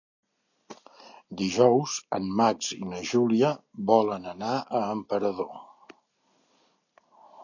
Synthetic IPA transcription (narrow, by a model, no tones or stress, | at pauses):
d̪iʒɔwzə̰nmad͡ʒḭnəʒuliəβɔlənənaʔəːmpəɾəðo